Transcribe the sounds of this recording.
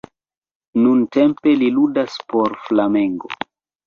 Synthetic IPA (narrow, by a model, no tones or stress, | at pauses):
nunte̞mpe̞liludaspo̞ɾflameŋɡo̰